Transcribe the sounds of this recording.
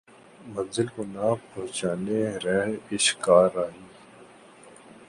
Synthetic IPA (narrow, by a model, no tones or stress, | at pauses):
mɐ̃nzɪlkonaːpɔɦt͡ʃaːneɾɛɪʃkaːɾaːɦiː